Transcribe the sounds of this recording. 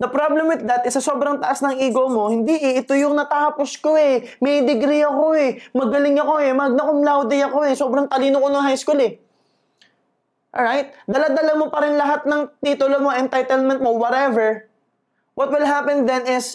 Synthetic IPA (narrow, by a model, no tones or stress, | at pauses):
d̪ɐpɾablɛmwɪðdɐt̪ɪsːɐso̞ːbɾɐŋt̪ɐʔasnɐŋʔiːɡomo̞hɪnd̪iʔɪɪt̪o̞jʊŋnɐt̪aːpo̞sko̞ɛ | mɛd̪ɪɡɾiɐko̞ɛmɐɡɐlɪŋɐko̞ɛmɐɡ̚nɐkʊmlawd̪ɪjɐko̞ɛso̞ːbɾɐŋt̪ɐliːnokonoŋɦajskulɛ | ʔɹajt̪̚d̪ɐlad̪ɐlamo̞pɐɾɪnlɐɦat̪̚nɐŋt̪it̪ʊlomoʔɛnt̪ajt̪ɛlmɛ̃nt̪̚mo̞wɔɾɛvɛɹ | wɐt̪̚wɪlɦapɛnd̪ɛnɪs